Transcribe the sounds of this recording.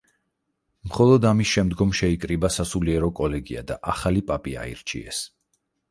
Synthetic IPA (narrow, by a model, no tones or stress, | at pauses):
mχɔlˠɔd̪amisʃɛmd̪ɡɔmʃɛikʼɾibasasuliɛɾɔkʼɔlɛɡia̰d̪aʔaχalipʼapʼia̰ḭɾt͡ʃʰḭɛ̰s